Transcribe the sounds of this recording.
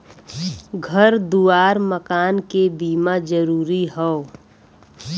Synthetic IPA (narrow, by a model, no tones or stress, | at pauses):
ɡʱəɾd̪uːaːɾməkaːnkebiːmad͡ʒəɾuːɾiɦɛo